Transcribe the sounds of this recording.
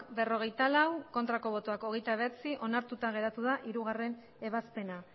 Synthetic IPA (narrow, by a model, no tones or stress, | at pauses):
be̞ro̞ɣ̞ejt̪alawko̞nt̪ɾako̞β̞o̞t̪oako̞ɣ̞e̞jt̪aβat͡siʔo̞naɾt̪ut̪aɣ̞e̞ɾat̪uðaʔiɾuɣare̞n | e̞βaspe̞na